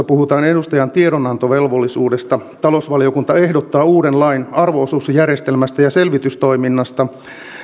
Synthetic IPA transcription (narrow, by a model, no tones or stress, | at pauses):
ɑpuhut̪ɑːnedust̪ɑjɑnt̪ieɾonɑnt̪oʋe̞lʋolːisuːdest̪ɑt̪ɑlosʋɑlijokunt̪ɑe̞hdot̪ːɑːuːdenlɑinɑrʋoosuːsujærjest̪elmæst̪æjɑselʋit̪yst̪o̞iminːɑst̪ɑ